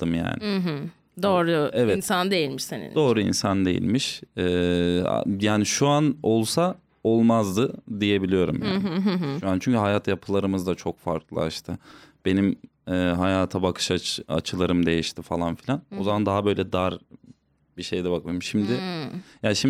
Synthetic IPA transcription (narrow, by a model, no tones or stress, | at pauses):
t̪ːɯmja̰ːnɪɦ | d̪oːɾuɛvɛnsand̪ejilʲmiʃsanḭnd̪o̞ːɾuḭnsand̪e̞̰jḭlʲmiʃɛ̰ː | jaːniʃuano̞lˠsa | o̞lˠmazd̪ɯd̪ije̞bilʲijo̞ɾṵmja̰ːnnʃuant͡ʃʰyɲcyɦajaːt̪ʰajapʰɯlˠaɾɯmɯzd̪at͡ʃʰo̞kfa̰ɾklˠa̰a̰ʃt̪ʰɯb̥e̞nim | ɛːɦajaːt̪ʰabakʰɯ̥ʃaa̰t͡ʃʰɯlˠaɾɯmd̪e̞jiʃt̪ʰifalˠanfilʲano̞zamand̪aɦabø̞jlʲɛd̪aɾ | biʃe̞jd̪ɛbak̚mɯjmʃimd̪ɪjaːnʃim